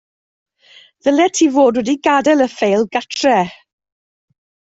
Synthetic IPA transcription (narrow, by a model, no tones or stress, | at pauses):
ðəlɛtʰiːvoːdwɛdiɡadɛlˠəfejlˠɡatʰrɛ